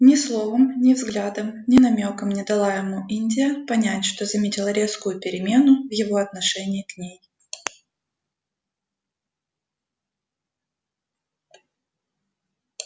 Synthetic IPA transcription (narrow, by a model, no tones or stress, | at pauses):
nʲɪslˠo̞vəmnʲɪvzɡlʲad̪əmnʲɪnɐmʲokəmnʲɪd̪ɐlˠaɪmuinʲdʲɪjəpɐnʲætʲʂt̪ozɐmʲetʲɪlˠəɾʲe̞skʊjʊpʲɪɾʲɪmʲe̞nʊvjɪvo̞ɐt̪nɐʂɛnʲɪːknʲej